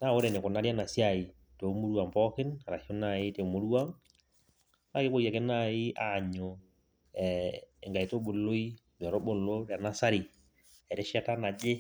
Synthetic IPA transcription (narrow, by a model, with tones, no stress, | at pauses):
ta˦˨wo˦ɾɛ˨nɪ˨ko˨na˦ɾja˦na˨si˦a˦˨i˨ | to˨˦mu˦ɾwa˨mpɔ˦kɪ˦na˨ɾa˨ʃo˦na˨ɪ˦te˨mo˦ɾu˦a˦ŋ | a˦˨ke˦bo˦ja˨ke˦na˦˨i˦a˨ɲo˨ | ɛe˨ŋɡa˨i˨to˦ɓo˨lo˦i˦ | ɲ˨ɔ˨ɾo˦bo˨lo˦ɾa˨na˦sa˦ɾi˨ | ɛ˨ɾe˦ʃi˦a˦ta˦na˨d͡ʒe˦